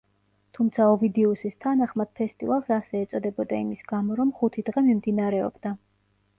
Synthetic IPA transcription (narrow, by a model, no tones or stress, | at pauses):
t̪ʰumt̪sʰaɔvid̪ɛusist̪ʰanaχmad̪̥̚pʰɛst̪ʼḭvalˠsasɛːt̪sʼɔd̪ɛbɔd̪aimisɡamɔɾɔmχut̪ʰid̪̥ʁɛmimd̪inaɾɛɔ̰bd̪a